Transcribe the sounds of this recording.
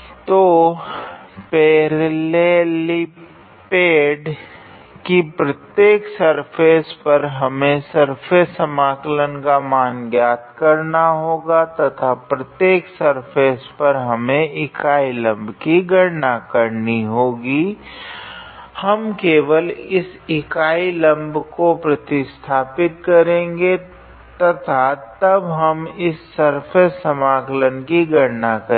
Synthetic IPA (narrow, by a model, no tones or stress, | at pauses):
t̪oː | peːɾleːli | peːɖ | kipɾɐt̪jeːksɐɾpʰeːspɐɾɦɐmẽsɐɾpʰesəmaːklənkamaːnɡjaːt̪̚kɐɾnaɦoːɡat̪ɐt̪ʰapɾɐt̪jeːksɐɾpʰeːspɐɾɦɐmẽʔɪkaːilɐ̃mbkiɡʱɐɽnakɐɾniɦoːɡi | hɐmkeːʋəlɪsɪkaːilɐ̃mbkopɾɐt̪ɪst̪ʰaːpɪt̪̚kɐɾẽːŋɡe | t̪ɐt̪ʰaːt̪ɐbɦɐmɪsːɐɾpʰeːsːəmaːklənkiɡʱɐɽnakɐ